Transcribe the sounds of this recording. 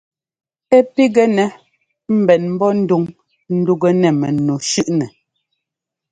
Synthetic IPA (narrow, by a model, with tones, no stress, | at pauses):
ɛ˦pi˦ɡɛ˦nɛ˨ | m̩˨bɛ˨nm̩˦bɔ˦n̩˦du˦˨ŋ | n̩˦du˦ɡə˦nɛ˨mɛ˨nu˨ʃʉ˦ʔnɛ˨